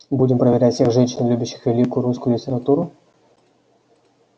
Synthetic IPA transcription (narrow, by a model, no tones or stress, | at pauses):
budʲɪmpɾəvʲɪɾʲætʲfʲsʲeɣʐɛnʲɕɪnlʲubʲʊɕːɪ̥xvʲɪlʲikʊjʊɾuskʊjʊlʲɪtʲɪɾat̪uɾʊ